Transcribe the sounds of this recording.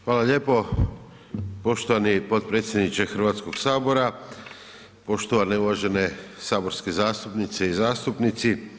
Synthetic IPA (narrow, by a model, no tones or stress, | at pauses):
xʋaːlaʎe̞ːpo̞ | po̞ʃt̪oʋanipo̞t̪̚pɾe̞ːt̪sʲjed̪nit͡ʃexr̩ʋaːt̪sko̞ɡ̥saːbo̞ɾa | po̞ʃt̪oʋaneuʋaːʒe̞ne̞saːbo̞ɾske̞zaːst̪upnit̪seizaːst̪upnit̪si